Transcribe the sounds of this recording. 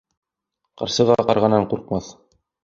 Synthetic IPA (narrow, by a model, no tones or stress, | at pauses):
qɑ̰̆ɾsɤ̆ʁɑqɑɾʁɑnɑɴquɾq̚mɑθ